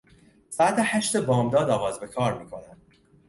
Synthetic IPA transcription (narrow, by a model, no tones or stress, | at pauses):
saæt̪ʰehæʃt̪ebɒːmd̪ɒːd̪ɒːɣɒːzbe̞kʰɒːɾmiːkʰo̞næn̥